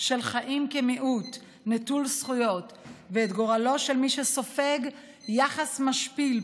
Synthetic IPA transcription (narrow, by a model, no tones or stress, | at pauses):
ʃe̞lχaʔimkemiʔut | netulsχujo̞t | veːt̪ɡo̞ʁalo̞ʃelmiʃeso̞fe̞ɡ | jaχasmaʃpil